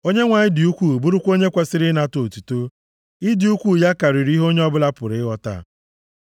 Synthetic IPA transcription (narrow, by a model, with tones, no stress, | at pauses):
o˦ɲe˦ŋʷa˨ɲɪ˦dɪ˨u˦kʷu˦˨bu˦ɾʊ˦kʷo˦ɲe˦kʷe˦sɪ˦ɾɪ˦na˦to˨tu˨to˦ | ɪ˦dɪ˨u˦kʷu˦ja˦ka˨ɾi˨ɾi˦ɦo˦ɲe˦ɔ˦bʊ˦la˦pʊ˨ɾɪ˦ɣɔ˦ta̰˦˨